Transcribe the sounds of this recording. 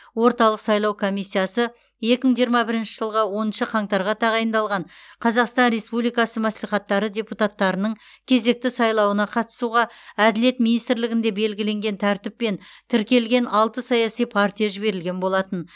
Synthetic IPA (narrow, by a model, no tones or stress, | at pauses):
wo̞ɾt̪ɑlˠəqsɑjlˠɑwkʰo̞mijsːijasə | je̞kʲɪməɴʒijəɾmɑbɪɾɪnʃɪʒəlˠʁɑwo̞nənʃəqʰɑɴt̪ɑɾʁɑt̪ʰɑʁɑjənd̪ɑlˠʁɑɴqʰɑzɑqst̪ɑnɾe̞spublijkɑsəmæslijχɑt̪ːɑɾədʲe̞put̪at̪ːɑɾənəɴ | kʲʰe̞ze̞k̚t̪ɪsɑjlˠɑwənɑqʰɑt̪ə̥suʁɑæd̪ɪle̞t̪minijst̪ɪɾlɪɡʲɪnd̪e̞be̞lɡʲɪle̞ŋɡʲe̞nt̪ʰæɾt̪ɪpːe̞nt̪ʰɪɾkʲe̞lɡʲe̞nɑlˠt̪əsɑjɑsijpʰɑɾt̪ʲijaʒɪbe̞ɾɪlɡʲe̞nbo̞lˠɑt̪ən